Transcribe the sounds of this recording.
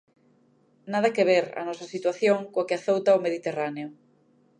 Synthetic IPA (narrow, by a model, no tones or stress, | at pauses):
nað̞ɐkeβ̞eɾa̰nɔsɐsit̪waθjoŋkoakeaθowt̪aomeð̞it̪eraneʊ